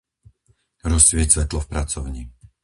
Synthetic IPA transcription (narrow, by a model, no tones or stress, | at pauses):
ɾɔssʋɪɛcsʋɛt̪lɔfpɾat͡sɔʊɲi